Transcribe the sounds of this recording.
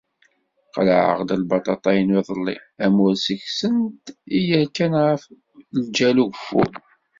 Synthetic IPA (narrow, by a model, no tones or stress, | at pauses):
qlʕə̰ʁd̪əlbɑt̪ˤɑt̪ˤɑjənwiðˤəlːḭæmʊɾsəçsənt̪ijəɾkænʁəf | ld͡ʒæluɡfːṵ